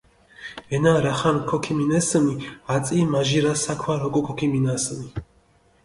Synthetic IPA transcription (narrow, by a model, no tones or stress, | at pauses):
ɛnaɾaχankʰɔkʰiminɛsmiat̪t͡s̪ʼimaʒiɾasakʰwaɾɔɡɔkʰɔkʰiminasmi